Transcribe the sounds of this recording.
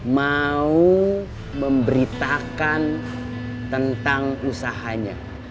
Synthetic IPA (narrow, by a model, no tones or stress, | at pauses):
mau | məmbəɾit̪akan | t̪ənt̪aŋusaɦaɲa̰